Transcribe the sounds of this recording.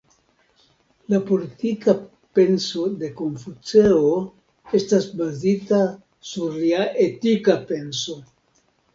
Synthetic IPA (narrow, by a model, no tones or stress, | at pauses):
lapo̞litika | pe̞nso̞de̞ko̞ɱfut͡seo | e̞stasbazita | suɾaʔe̞tikape̞nso̞